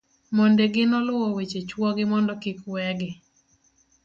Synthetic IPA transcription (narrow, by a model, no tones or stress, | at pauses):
mondeɡɪnɔlʊwɔwet͡ʃet͡ʃwɔɡɪmɔndɔkikwɛɡɪ